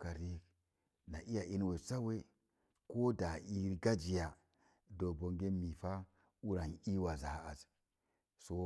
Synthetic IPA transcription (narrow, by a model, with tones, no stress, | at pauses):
ka˨ɾi˦ | na˨ʔi˦ja˨ʔi˦n˦we˨t͡sa˦we˦ | ko˦da˨i˦ɾɡa˦d͡ʒi˨ja˨ | do˨bo˨ŋɡe˦mi˨fa˦ | u˦ɾa˨ni˦wa˨za˨ha˨a̰˨z | so˦